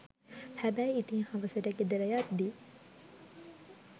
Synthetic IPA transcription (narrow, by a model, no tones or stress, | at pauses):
hæbæːit̪iŋhɐʋɐsɐɾæɡed̪eɾɐjaːt̪d̪i